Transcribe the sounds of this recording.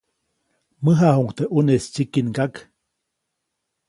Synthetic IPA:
məɦahuŋkt̪eʔunest͡ʃikinɡak

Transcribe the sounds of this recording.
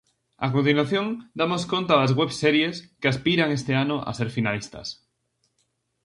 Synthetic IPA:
a̰kont̪̬inwaθjoŋd̪amoskont̪aazɣwɛβsɛɾjeskɪaspiɾaŋest̪ɪanʊʔa̰seɾfinalist̪ɐ̰s

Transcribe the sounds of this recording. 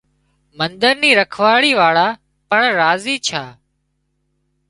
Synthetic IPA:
mənd̪əɾniːɾəkʰʋaːɽiːʋaːɭaː | pəɳɾaːziːt͡ʃʰaː

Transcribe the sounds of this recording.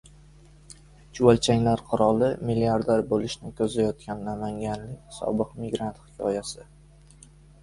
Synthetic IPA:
t͡ʃʰuwalt͡ʃʰaŋʲlaɾqʰʊɾɒlˠɪmɪlːiaɾd̪aɾbolɪʃnɪkʲʰɵzajɒt̪̚kʲanːamaŋɡʲanlɪkʲsɒ̰bɨqmɪɡɾant̪hɪ̥kʲʰɒ̰jasɪ

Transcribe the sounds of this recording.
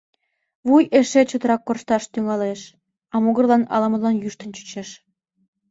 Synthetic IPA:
βujeʃet͡ɕot̪ɾɑkːorʃt̪ɑʃt̪yŋɑleʃ | ɑmuɣə̆rlɑnɑ̰lɑmə̆lɑnjyʃt̪ənt͡ɕy̥t͡ɕeʃ

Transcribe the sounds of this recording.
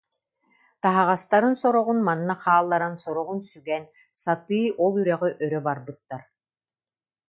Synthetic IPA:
t̪aɦaʁast̪aɾɯnsɔɾɔʁunmanːaχaːlˠːaɾansɔɾɔʁunsyɡɛn | sat̪ɯːɔlˠyɾœʁyʔœɾœbaɾbɯt̪ːaɾ

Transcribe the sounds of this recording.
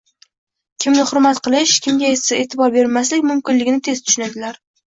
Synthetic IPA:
kʲʰɪmnɪχʊɾmat̪qʰɨlˠɪʃkʲɪmɡʲaesɪet̪ʰɪbɒɾbe̞ɾmas̬lɪkʲmʊmkʲɪnlɪɡʲɪnɪt̪ʰe̞z̥t̪ʰʊ̥ʃʊnad̪ɪlaɾ

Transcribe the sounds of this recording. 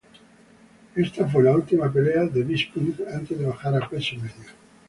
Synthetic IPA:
est̪afwelault̪imap̬eleaðeβispundant̪ezðeβaxaɾakwesimeðja

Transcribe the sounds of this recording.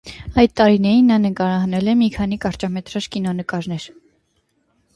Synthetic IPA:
ɑjd̪̚t̪ɑɾinɛɾinːɑnəkɑɾɑɦɑnɛlɛmikʰɑnikɑɾt͡ʃɑmɛt̪ɾɑʃkinɔnəkɑɾnɛɾ

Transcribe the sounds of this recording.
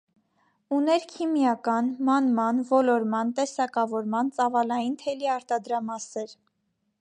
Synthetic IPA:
unɛɾkʰimjɑkɑnmɑnmɑnvɔlɔɾmɑnt̪ɛsɑkɑvɔɾmɑnt͡sɑvɑlɑjint̪ʰɛliɑɾt̪ɑd̪ɾɑmɑsɛɾ

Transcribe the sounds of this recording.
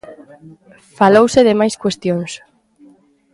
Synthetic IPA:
falowseðɪmajskwest̪joŋs

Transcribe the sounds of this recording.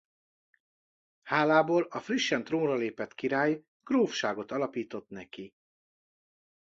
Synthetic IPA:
haːlaːboːlɒfriʃːɛnt̪roːnrɒleːpɛt̪kiɾaːj | ɡ̥roːfʃaːɡo̞t̪ɒlɒpiːt̪o̞t̪nɛki

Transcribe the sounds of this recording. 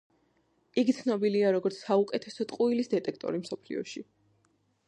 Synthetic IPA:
iɡit̪sʰnɔbiliaɾɔɡɔɾt̪sʰsaukʼɛt̪ʰɛsɔt̪ʼqʼuilisd̪ɛt̪ʼɛkʰt̪ʼɔ̰ɾimsɔpʰlḭɔ̰ʃi

